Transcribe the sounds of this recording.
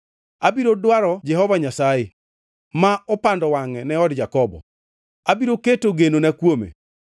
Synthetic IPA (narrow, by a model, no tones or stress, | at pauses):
abiɾodwaɾɔd͡ʒɛɦɔvaɲasaje | maɔpandɔwaŋɛnɛɔdd͡ʒakɔbɔ̰ | abiɾoketoɡenonakwomḛ